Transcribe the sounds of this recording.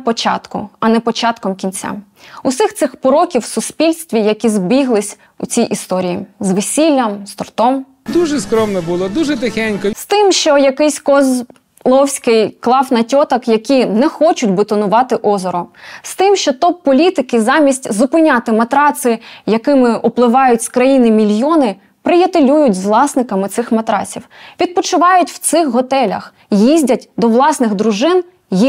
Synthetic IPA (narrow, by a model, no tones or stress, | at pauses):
pɔt͡ʃɑ̰t̪kʊ̰ɐnɛpɔt͡ʃɑt̪kɔmkʲint͡sʲa̰ | ʊsɪxt̪sɪxpɔɾɔkʲiwsʊspʲilʲsʲt̪ʲʋʲijɐkʲizbʲiɦlˠɪsʲ | ʊ̰t͡sʲijʔist̪ɔɾʲijizʋesʲilʲːɐmst̪ɔrt̪ɔm | d̪uʒɛskɾɔmnɛbʊlˠɔd̪uʒɛt̪ɪxɛnʲkɔst̪ɪmʃt͡ʃɔjɐkɪjsʲkɔz | lˠɔwsʲkɪjklˠɑfnɐtʲɔt̪ɐkjɐkʲinɛxɔt͡ʃʊtʲbʊt̪ɔnʊʋɑt̪ɪʔɔzɔɾɔst̪ɪmʃt͡ʃɔt̪ɔpːɔlʲit̪ɪkɪzɑmʲisʲtʲzʊpɪnʲat̪ɪmɐt̪ɾɑsɪjɐkɪmɪʔʊplˠɪʋɑjʊtʲskɾɐjinɪmʲilʲjɔnɪ | pɾɪjɐt̪ɪlʲujʊtʲzʋlˠɑsnɪkɐmɪt̪sɪxmɐt̪ɾɑ̰t͡sʲiwʋʲid̪̚pɔt͡ʃʊʋɑjʊtʲw̥t̪sɪxɦɔt̪ɛlʲɐ̰x | jizʲdʲɐtʲd̪ɔʋlˠɑsnɪɣd̪ɾʊʒɪn | ji